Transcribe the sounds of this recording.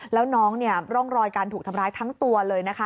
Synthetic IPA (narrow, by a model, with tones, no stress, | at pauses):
lɛː˦˥wnɔː˦˥ŋni˥˩ɐɾɔ˥˩ŋɾɔː˧jkaː˧nt̪ʰu˨˩k̚t̪ʰa˧mɾaː˦˥jt̪ʰa˦˥ŋt̪u˧ɐlɤː˧jna˦˥kʰa˦˥